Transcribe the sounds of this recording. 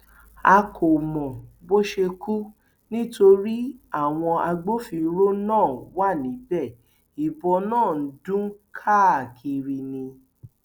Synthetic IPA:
a˧kʰo˨mɔ̃˨bo˦ʃe˧ku˦ | nĩ˦to˧ɾi˦a˦˨w̃ɔ̃˧ʔa˧ɡ͡bo˦fi˧˦ɾo˦nãː˦˨wa˦˨nĩ˨˦bɛ˦˨ | i˨bɔ˧nãː˦˨n̩˨˦dũ˦n̩˦kʰa˦˨a˨kʰi˧ɾi˧nĩ˧

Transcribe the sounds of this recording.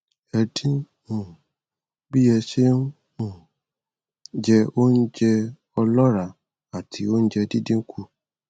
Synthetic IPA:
ɛ˨di˦ | ũ˨ | bi˦jɛ˧ʃe˦n˦ | ũ˦˨ | d͡ʒɛ˧o˦n̩˦d͡ʒɛ˧ | ɔ˧lɔ˦ɾa˨ | a˨tʰi˨o˦n̩˦d͡ʒɛ˧di˦dĩ˦ŋ̩˦kʰu˧

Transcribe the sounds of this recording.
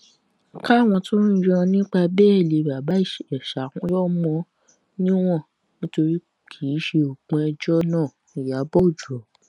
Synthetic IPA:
ka˦˨w̃ɔ̃˧tũ˦ɾɔ̃˧nĩ˦k͡pa˧bɛː˦˨le˨ba˨ba˨˦˨ʃɛ˨ʃa˨˦˨kũ˦jɔ˦mɔ̃˧ | nĩ˦w̃ɔ̃˦˨ | nĩ˦to˧ɾi˦ | kʰiː˨˦ʃe˧o˨ɡ͡bũ˧ɛ˧d͡ʒɔ˦nãː˦˨ | i˨ja˨˦bɔ˦˨d͡ʒu˨ɔ˨˦

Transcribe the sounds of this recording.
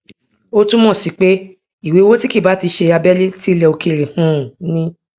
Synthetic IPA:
o˦tũ˦mɔ̃˦˨si˨k͡pe˦ | i˨we˨˦wo˦ti˦ki˦˨ba˨˦ti˧ʃe˧a˧bɛ˦le˦ti˦lɛ˧o˧ke˦˨ɾe˨hũ˨˦˨nĩ˦

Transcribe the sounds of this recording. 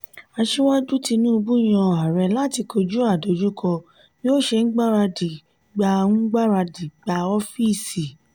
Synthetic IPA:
a˧ʃi˦wa˦d͡ʒu˦ti˧nũ˦o˧bũ˦˨j̃ã˧ɔ˨a˨ɾɛ˧la˦ti˧ko˧d͡ʒu˦a˦˨do˨˦d͡ʒu˦kʰɔ˧˦ | o˦ʃe˧n̩˦ɡ͡ba˦ɾa˧di˨ | ɡ͡ba˧˦ɡ͡ba˦ɾa˧di˨ɡ͡ba˧ɔ˦fi˦˨si˨

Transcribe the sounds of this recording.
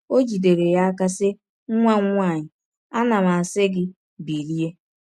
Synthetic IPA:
o˦d͡ʒi˨de˨ɾe˨ja˦a˦ka˦sɪ˦ | ŋ˦ŋʷa˦ŋʷ˦a˦˨ɲɪ˨ | a˦na˨ma˨sɪ˦ɡɪ˦ | bi˨ɾi˦e˦

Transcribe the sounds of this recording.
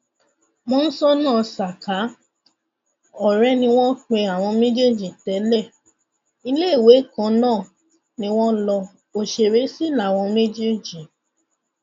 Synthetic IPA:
mɔ̃˦n̩˦sɔ˦nãː˦˨sa˨ka˨˦ | ɔ˦˨ɾɛ˦nĩ˧w̃ɔ̃˦k͡pe˧a˨w̃ɔ̃˧me˦d͡ʒe˦˨d͡ʒi˨tɛ˨˦lɛ˦˨ | i˧le˦˨we˨˦kã˧˦nãː˦˨ | nĩ˧w̃ɔ̃˦lɔ˧ | o˦ʃe˧˨ɾe˨˦si˦la˦˨w̃ɔ̃˧me˦d͡ʒe˦d͡ʒi˨

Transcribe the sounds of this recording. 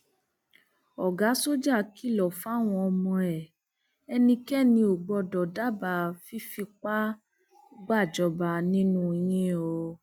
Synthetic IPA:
ɔ˨ɡa˨˦so˦d͡ʒa˦˨ki˦˨lɔ˨fa˦˨w̃ɔ̃˧ɔ˧mɔ̃˧ɛ˨ | ɛ˧nĩ˧kɛ˦˨nĩ˧o˨ɡ͡bɔ˧dɔ˨da˦ba˧˨fi˦fi˧k͡pa˦ | ɡ͡ba˦˨d͡ʒɔ˧ba˧nĩ˦nũ˦˧˨j̃ĩ˦o˧

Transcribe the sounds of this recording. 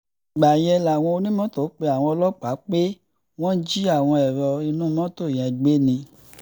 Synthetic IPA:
ɡ͡ba˨jɛ˧la˨w̃ɔ̃˧o˧nĩ˦mɔ̃˦to˨˦k͡pe˧˦a˨w̃ɔ̃˧ɔ˧lɔ˦k͡pa˨˦k͡pe˦ | w̃ɔ̃˦d͡ʒi˦a˦˨w̃ɔ̃˧ɛ˨ɾɔ˧i˧nũ˦mɔ̃˦to˦˨j̃ɛ̃˨˧˨ɡ͡be˦nĩ˧

